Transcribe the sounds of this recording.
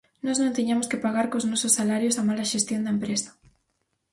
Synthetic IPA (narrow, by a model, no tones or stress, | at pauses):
nɔznõnt̪eɲamʊskɪpaɣaɾkoznɔsosːalaɾjosamalɐʃest̪jõnd̪ɐempɾesɐ̥